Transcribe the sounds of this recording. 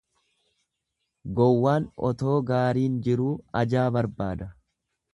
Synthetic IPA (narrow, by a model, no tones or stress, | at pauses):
ɡɔwːaːnɔ̰t̪o̞ːɡaːɾiːnd͡ʒɪɾuːɐd͡ʒaːbɐɾbaːd̪ɐ